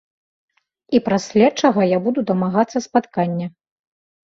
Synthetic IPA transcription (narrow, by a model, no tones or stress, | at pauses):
ipɾasʲlʲat͡ʂaɣɔjabud̪ud̪ɐmaɣat̪sːɐspat̪kanʲːɐ